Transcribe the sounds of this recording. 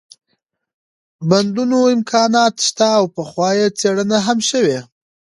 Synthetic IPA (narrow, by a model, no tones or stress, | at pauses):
band̪unoɪmkʰɑnɑt̪ʃt̪aːwpəxwɑjet͡seɽənaɦamʃəwe